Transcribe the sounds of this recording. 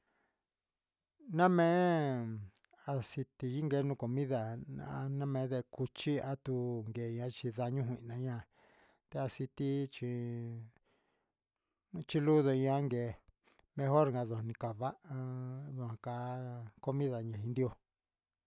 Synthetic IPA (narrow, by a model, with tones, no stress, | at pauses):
nã˦mẽ˦ | a˧si˧t̪i˧ji˦ŋɡe˧˦nũ˧ko˨mĩ˦ða˨n˦nã˦mẽ˧˦ðe˧ku˧t͡ʃi˦a˦t̪u˧ŋɡeː˨ɲ˧ã˧˦t͡ʃi˧ða˧ɲũ˦ɦʷwĩ˧ʔnã˧˦ɲã˧˨ | t̪e˧a˧si˧t̪i˦t͡ʃi˧ | t͡ʃi˧lu˦ðo˧i˧ã˦ŋɡeː˨ | mẽ˧ɦo˦ɾŋa˧ðu˧˨hã˨nĩ˧ka˨βa˦ʔa˧ðu˧hã˧ka˧˦ko˧mĩ˦ða˨ɲẽ˨ĩ˧nd̪i˦o˧